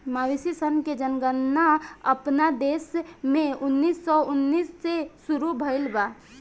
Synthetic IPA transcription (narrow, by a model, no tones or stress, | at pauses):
maʋisisənked͡ʒənɡənːaəpnad̪eːsmẽʊnːiːsːɔʊnːiːsːesʊɾubʱəɪlba